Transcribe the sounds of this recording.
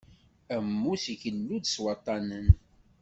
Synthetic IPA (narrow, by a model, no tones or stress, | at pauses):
æmːusiçənːud̪swɑt̪ˤːɑnən